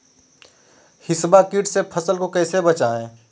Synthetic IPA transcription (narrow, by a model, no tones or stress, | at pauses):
hɪsbakiʈsepʰəsəlkokɛːsebət͡ʃaːẽː